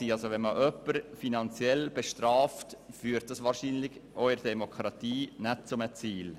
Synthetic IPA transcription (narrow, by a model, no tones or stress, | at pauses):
iːɑlsoʋɛnməʔœpːəɾfinɑnt͡sjɛlb̥ɛʃtrɑːftfyːɾt̚d̥ɑsʋɑːɾʃiːnlɪçʔɔʏəɾdɛmokɾɑtiːnɛt̚t͡sʊmət͡siːl